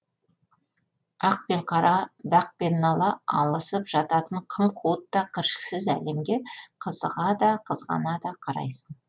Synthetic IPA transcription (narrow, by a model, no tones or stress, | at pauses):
ɑq̚pe̞ɴqʰɑɾɑbæq̚pe̞nːɑlˠɑɑ̰lˠəsəpʒ̥ɑt̪ɑt̪əɴqʰəmqʰuwət̪ːɑqʲʰəɾʃə̥ksɪzæ̰le̞mɡʲe̞qʰəzəʁɑd̪ɑqʰəzʁɑ̰nɑd̪ɑqʰɑɾɑ̰jsən